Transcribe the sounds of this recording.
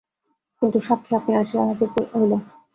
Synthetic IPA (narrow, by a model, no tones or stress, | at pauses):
kint̪uʃakʰːeapniaʃiaɦad͡ʑoɾkoɦolo